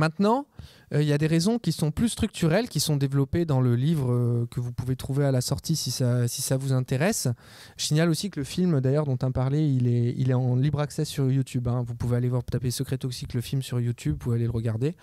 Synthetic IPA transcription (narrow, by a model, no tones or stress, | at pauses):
mɛ̃t̪nɑ̃ | øiljad̪eʁezɔ̃kʲisɔ̃plyst̪χyk̚t̪ʰyʁɛlkʲisɔ̃d̪evlɔped̪ɑ̃ləlivʁəkəvupuvet̪χuvealasɔʁt̪isisasisavuzɛ̃t̪eʁɛs | ʒə̥siɲalosikələfilmd̪ajœʁd̪ɔ̃t̪ɛ̃paʁlɛilɛḭlɛɑ̃libʁaksɛsyʁjut̪ʰybɛ̃vupuvealevwaʁpət̪apesəkχɛt̪osikləfilmsyʁjut̪ʰybvualeləʁəɡaʁd̪e